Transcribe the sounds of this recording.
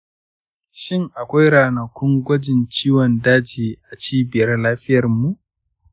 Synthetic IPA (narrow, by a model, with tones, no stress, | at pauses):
ʃɪ˦ŋʔa˨kʷa˦jɽaː˨nɐ˨kʷʊ˦ŋɡʷɐ˦d͡ʒɪ˨nt͡ʃiː˦wɔ˨ndaː˦d͡ʒiː˨ʔa˨t͡ʃiː˦bɪ˨jɐ˦rlaː˦ɸɪ˦jɐ˨rmu˨ʔ